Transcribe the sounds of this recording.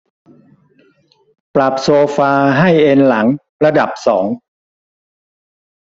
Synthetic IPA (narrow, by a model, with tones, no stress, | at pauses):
pɾa˨˩p̚soː˧faː˧ɦa˥˩jʔe˧nla˩˦ŋ | ɾa˧da˨˩p̚sɔ̰ː˩˦ŋ